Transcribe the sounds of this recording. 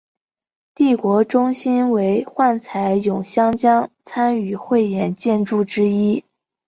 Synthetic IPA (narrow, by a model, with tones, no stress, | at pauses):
t̪i˥˩kwɔ˧˥ʈ͡ʂʊ˥ŋɕi˥nwe˧˥ɪxwa˥˩nt͡sʰa˧˥ɪjʊ˨˩ŋɕjɑ˥ŋt͡ɕjɑ˥ŋt͡sʰa˥ny˨˩xwe˥˩ɪjɛ˨˩˦nt͡ɕjɛ˥˧nʈ͡ʂu˥˩ʈ͡ʂɻ̩˥i˥